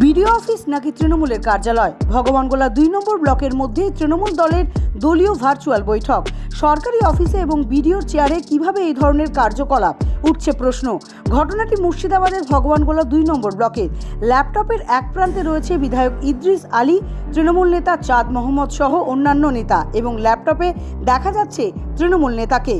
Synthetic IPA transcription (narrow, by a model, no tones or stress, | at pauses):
biɖioɔfisnakit̪ɾinomuleɾkaɾd͡ʑalɔebʱɔɡobanɡolad̪ujnɔmboɾblɔkeɾmod̪ʱːet̪ɾinomuld̪ɔleɾd̪oliobʱaɾt͡ɕualbojʈʰɔkʃɔɾkaɾiɔfiseeboŋbiɖioɾt͡ɕeaɾekibʱabeejd̪ʱɔɾoneɾkaɾd͡ʑokɔlabuʈ̚t͡ɕʰepɾoʃno | ɡʱɔʈonaʈimoʃid̪abad̪eɾbʱɔɡobanɡolad̪ujnɔmboɾblɔkeɾlɛp̚ʈɔpeɾɛk̚pɾant̪eɾoet͡ɕʰebid̪ʱaeokid̪ɾiʃalit̪ɾinomulnet̪at͡ɕad̪mɔɦamːod̪ʃɔɦoʔonːanːonet̪aeboŋlɛp̚ʈɔped̪ɛkʰad͡ʑatːɕʰet̪ɾinomulnet̪ake